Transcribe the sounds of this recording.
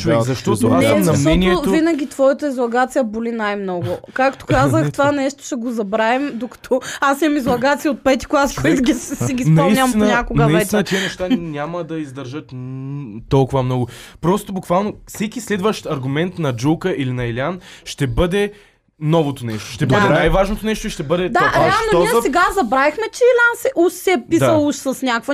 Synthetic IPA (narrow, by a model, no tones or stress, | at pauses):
t͡ʃʊvɛzɐʃt̪ɔamɐmɔɛniɛovinɐɡʲit̪vɔjɐt̪əizlˠɐɡat̪sijɐbolinajmnɔɡʊkakt̪o̥kazəxt̪ovanɛʃt̪o̥ʃɛɡozɐbɾavɛmd̪okɐ̥t̪ʰɔasimɐmizlˠɐɡat̪sijəot̪̚pɛt̪i̥klˠaskɔjt̪ɡisiɡʲispnɐisnʲɐt̪inəɲakoɡnəɐvisɛt̪inət̪iənɛʃt̪anʲamɐd̪ɐizd̪ɐɾʒət̪ | t̪ɔlˠkʊvɐmnɔɡʊpɾɔst̪obʊkvalˠnofsɛkislɛd̪vəʃt̪ɐɾɡʊmɛnt̪nɐd͡ʒulˠkəʔilinɐɛlʲanʃt̪ɛbɤd̪ɛ | nɔvot̪onɛʃt̪o̥ʃt̪ɛb̪əd̪ɛnajvaʒnot̪onɛʃt̪oiʃt̪ɛbɤd̪ɛd̪aɐɾɛalˠnonɔiɛsɛɡazɐbɾavixmɛt͡ʃɛɛlʲansɛʔuʃsɛpid̪ɐlˠuʃsɐsnʲakvɐ